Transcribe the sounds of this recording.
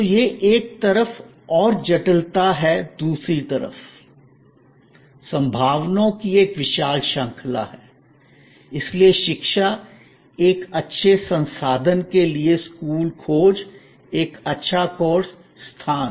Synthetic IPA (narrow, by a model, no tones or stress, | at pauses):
ojeʔeːk̚t̪ɐɾəf | ɔːɾd͡ʒɐʈəlt̪aɦɛd̪uːsɾit̪ɐɾə̰f | sɐ̃mbʱaːʋnõkieːkʋɪʃaːlʃə̃ŋkʰla̰ɦɛː | ɪslieʃɪkʃa | eːkɐtːʃʰesɐ̃nsaːd̪ʱənkelieskuːlkʰoːd͡ʒ | eːkɐtːʃʰakoːɾs | st̪ʰaːn